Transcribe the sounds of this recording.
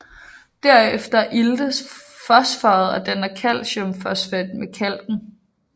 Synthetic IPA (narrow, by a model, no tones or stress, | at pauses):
d̥æɐ̰efd̥ɐʔild̥əsfɒsfɑ̈ːð̞̩ˠɒd̥ænɐkʰæl̰ɕɔmfɒsfæd̥mekʰæl̰ɡ̥n̩